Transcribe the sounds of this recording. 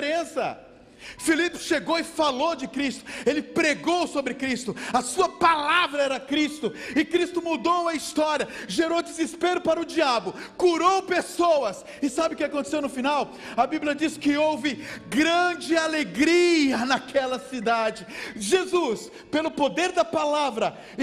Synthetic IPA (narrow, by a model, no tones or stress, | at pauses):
ɾẽsɐ̰ | filipɪ̥ʃeɡowɪfalowd͡ʒɪkɾist̪ʊ̥elɪpɾeɡowsobɾɪkɾist̪ʊɐsuɐpalavɾɐɛɾɐkɾist̪ʊɪkɾist̪ʊmud̪owɐist̪ɔɾiɐʒeɾowd͡ʒɪzɪspeɾʊpaɾɐʊd͡ʒiabʊkuɾowpesowɐs | ɪsabɪʊkɪakõt̪e̥sewnʊfinaw | ɐbiblʲjɐd͡ʒiskɪowvɪɡɾɐ̃d͡ʒɪaleɡɾiɐnɐkʰɛlɐsid̪ad͡ʒɪʒezus | pelʊpod̪eɾd̪ɐpalavɾɐ